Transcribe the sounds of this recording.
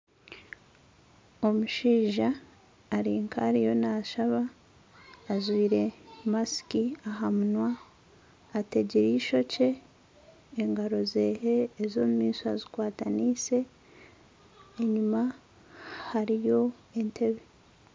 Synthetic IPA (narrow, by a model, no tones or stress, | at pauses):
o̞muʃiːʒaː | ɾiːŋkʰaɾijo̞naːʃaβaː | zwiːɾe̞masi̥kiaɦamunwaː | te̞ɟeɾiʃo̞ce̞ː | ŋɡaɾo̞ze̞heːzo̞ːmumiːsuazikwaːtaniːse̞ | eɲuma | haɾijo̞ | e̞ntʰe̞βe